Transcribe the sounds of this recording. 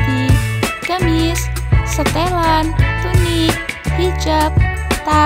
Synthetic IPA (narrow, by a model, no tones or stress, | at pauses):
d̪̥iɡ̥əmissət̪elant̪unik̚hit͡ʃəp̚t̪a